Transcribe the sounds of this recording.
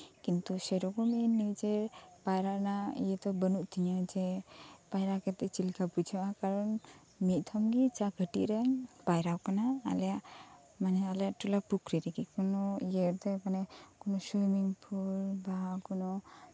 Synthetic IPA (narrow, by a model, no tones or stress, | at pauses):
kint̪usɛɾɔkɔmɛnid͡ʒɛpajɾanaḭjɛt̪ɔbənuʔt̪iɲad͡ʒɛpajɾakɛt̪ɛt͡ʃilkapud͡ʒʰɔʔakaɾɔn | mit̪̚ˀt̪ʰɔmɡit͡ʃaɡʱəʈḭʔɾaɲpajɾawkana̰ːlɛjaʔ | manɛalɛaʔʈulapukɾiɾɛkikɔnɔjeɾt̪ɛkanɛkɔnɔsujmiŋpʰulbaɦakɔnɔ